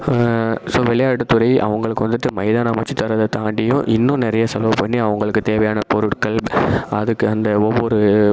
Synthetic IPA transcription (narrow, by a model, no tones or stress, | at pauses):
soːʋɛɭɐjaːʈːɐt̪ːɯɾɐɪʔɐ̰ʋɐŋɡɐɭɯkːɯʋɐnd̪ɯʈːɯmɐɪðaːnamɐt͡ʃːit̪ːɐɾɐðɐt̪aːɳɖɪjʊ̃ʔɪnːʊ̃nɪɾɐjɐsɐloːpɐɳːiɐʋɐŋɡɐɭɯkːɯt̪eːʋɐjaːnɐpɔɾɯʈkɐɭbɐðɯkːɯɐnd̪ɐɔʋːɔɾɯ